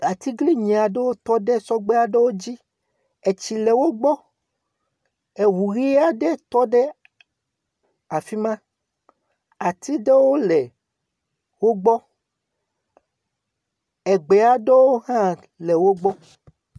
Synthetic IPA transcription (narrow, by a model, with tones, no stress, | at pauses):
a˨t̪i˦ɡli˦ɲĩ˨a˨ɖe˦wo˦t̪ɔ˦ɖe˦sɔ˦ɡ͡be˦a˦ɖe˦wo˦d͡ʑi˦ | e˨t͡ɕi˨le˨wo˦ɡ͡bɔ˦ | e˨wu˨ɣi˦a˦ɖe˦t̪ɔ˦ɖe˦ | a˨fi˦mã˦ | a˨t̪i˦ɖe˦wo˦lɛ˨ | wo˦ɡ͡bɔ˦ | ɛ˨ɡ͡be˨a˦ɖe˦wo˦ɦã˦ | le˨wo˦ɡ͡bɔ˦